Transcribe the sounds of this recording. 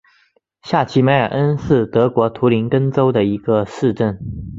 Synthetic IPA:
ɕja˥˩t͡ɕʰi˧˥me˧˥ɪə˞˨˩ʔə˥nʂɻ̩˥˩t̪ɤ˧˥kwɔ˧˥t̪ʰu˧˥li˧˥nkə˥nʈ͡ʂo˥ʊd̪ə˨i˧˥ɡ̥ə˧ʂɻ̩˥˧ʈ͡ʂə˥˩n

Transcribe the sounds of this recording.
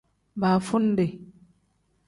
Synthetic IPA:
baː˨fu˦nde˨

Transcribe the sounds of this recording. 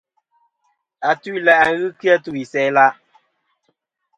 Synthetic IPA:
a˨tu˦i˦˨la˨ʔa˨ŋ˦ɣɨ˦ki˦a˦tu˦i˨sɛ˨˦la˦

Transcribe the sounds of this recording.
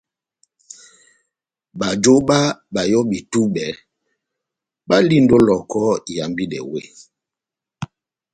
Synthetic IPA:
ba˨d͡ʒo˦ɓa˦ba˨jɔ˦bi˨tu˦ɓɛ˨˦ | ɓa˦li˦ndo˦lɔ˨kɔ˦˨ja˨mbi˦dɛ̰˨we˦˨

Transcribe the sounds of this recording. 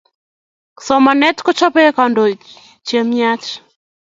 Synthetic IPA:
ksɔ˨ma˨nɛ˦tkɔ˦t͡ʃɔ˦pɛ˦ka˨ndɔ˨ | t͡ʃe˨mia˦t͡ʃ

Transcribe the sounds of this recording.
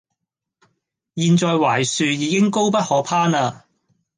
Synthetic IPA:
jiː˧nt͡ʃɔː˨˧jwaː˨˩jsyː˨˧jiː˨˧kɪ˥ŋko˥wpɐ˥t̚hɔː˨˧˥pʰaː˥naː˧

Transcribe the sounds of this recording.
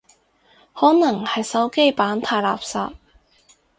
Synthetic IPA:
hɔː˨˥nɐ˨˩ŋhɐ˨jsɐ˨˥wke˥jpaː˨˥nt̪ʰaː˧jla̰ː˨p̚sa̰ː˨p̚

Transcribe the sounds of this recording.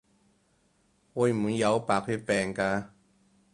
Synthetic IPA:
ɔː˨˧jmu˨jɐ˨˧wpaː˨˧k̚ty˥pɛː˨˩ŋkaː˧

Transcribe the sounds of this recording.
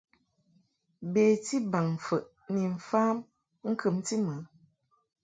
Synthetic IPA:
beː˨ti˦ba˨ŋ˨fə˨ʔ | ni˨ɱ̩˨fa˦m | ŋ̩˦kɨ˨mti˦mə˨˦

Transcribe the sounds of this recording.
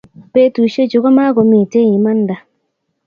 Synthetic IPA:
pe˦tu˨ʃe˦t͡ʃo˨ka˦ma˦ɡo˨mi˨te˦˨ji˨ma˦nda˨

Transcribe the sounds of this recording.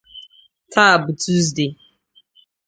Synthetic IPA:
tʰa˦˨bu˨tu˦z̬de˨

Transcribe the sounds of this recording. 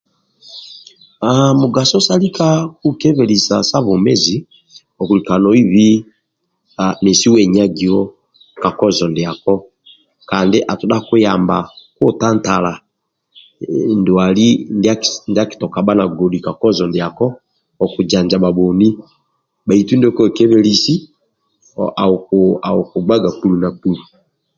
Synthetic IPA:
amu˨ɡa˨sɔ˦sa˦li˦ka˦ku˦kɛ˦βɛ˨li˨sa˨sa˦βɔ˨mɛ˦zi˨ | ɔ˨ku˨li˨ka˨nɔ˨i˦βi˦ | a˨nɛ˨si˦wɛ˨ɲa˦ɡi˨ɔ˦ | ka˨kɔ˦zɔ˨ndi˨a˨kɔ˦ | ka˨ndi˦ʔa˨tu˨ɗa˦kwe˦ja˨mba˨ko˦ta˦nta˨la˨ | ndo˨a˨li˦nde˦a˦nda˦ki̥˨tɔ˨ka˨ba˦na˨ɡɔ˨di˨ka˨kɔ˦zɔ˨nde˨a˨kɔ˦ | ɔ˨ku˨d͡ʒa˨ɲd͡ʒa˨ba˨bɔ˨ni˦ | ba˨i˨tu˦ndkɔ˦˨kɛ˦βɛ˦li˦si˦ | ʔa˨ka˨o˨ko˨ɡ͡ba˦ɡa˨pu˨lu˨na˨ku˨lu˨

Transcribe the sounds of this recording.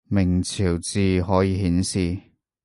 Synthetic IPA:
mɪ˨˩ŋt͡sʰiː˨˩wt͡siː˨˧ɦɔː˨˥jiː˧ɦiː˨˥nsiː˨

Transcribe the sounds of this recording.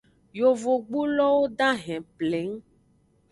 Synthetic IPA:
jo˨vo˨ɡ͡bu˦lɔ˦wo˦ɖa˦ɦɛ̃˨ple˨˦ŋ˦

